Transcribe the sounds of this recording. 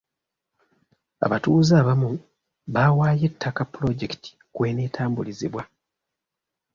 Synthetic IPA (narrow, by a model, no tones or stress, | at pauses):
a̰βatuːzaːβamu | βawaːje̞tʰːakapːlo̞ɟe̞ktʰi̥ | kwe̞ːneːtʰaːmbuliziβwa